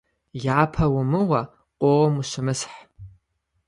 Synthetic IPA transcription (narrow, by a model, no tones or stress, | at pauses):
jaːpʰɐwʊmɨwɐ | qʷʼowɐmuʃʷɪmɨsħ